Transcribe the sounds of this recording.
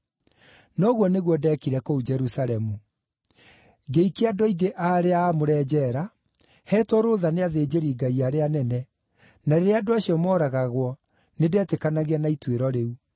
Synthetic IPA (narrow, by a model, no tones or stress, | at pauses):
nɔɣwɔneɣwɔdɛːkiɾɛkoud͡ʒɛɾusalɛmu | ɡeikeadɔiɡeʔaɾeaːmoɾɛːd͡ʑɛːɾa | hɛtwɔɾoːðaneaðeːd͡ʑeɾiːɡaiaɾeanɛnɛ | naɾeɾeadoaɕiɔmɔːɾaɣaɣwɔ | nedɛːtekanaɣianaitweɾɔɾeu